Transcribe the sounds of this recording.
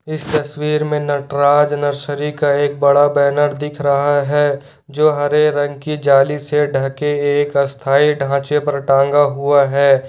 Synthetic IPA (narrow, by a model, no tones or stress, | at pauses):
ɪst̪ɐswiːɾmẽnɐʈɾaːd͡ʒnɐɾsəɾikaeːk̚bɐɽabɛːnəɾd̪ɪkʰɾɐɦaɦɛ | d͡ʒoːɦɐɾeɾɐ̃ŋɡkid͡ʒaːliseɖʱɐkeeːkɐst̪ʰaːiɖʱãːt͡ʃepɐɾʈãːŋɡaɦuaɦɛː